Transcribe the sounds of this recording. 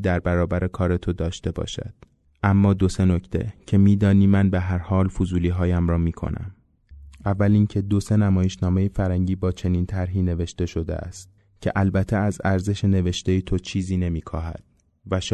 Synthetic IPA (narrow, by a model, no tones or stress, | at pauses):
d̪æɾbæɾɒːbæɾekʰɒːɾe̞t̪ʰo̞d̪ɒːʃt̪e̞bɒ̰ːʃæ̰d̪̥ | ʔæmːɒːd̪o̞se̞no̞cʰt̪ʰe̞̰cʰe̞miːd̪ɒːniːmænbeɦæɾhɒːlfozuːliːɦɒːjæmrɒːmiːkʰo̰nʔæ̰m | ʔævːæliːncʰe̞d̪o̞se̞næmɒːjeʃnɒːme̞jefæɾæŋɟiːbɒːt͡ʃʰe̞niːnt̪ʰæɾɦiːne̞ve̞ʃt̪e̞ʃo̞d̪ḛʔæ̰st̪̚ | cʰe̞̰ʔælbæt̪ʰːeæzæɾze̞ʃe̞ne̞ve̞ʃt̪e̞jet̪ʰo̞t͡ʃʰiːziːne̞miːkʰɒːɦæ̰d̪̥̚ | væʃ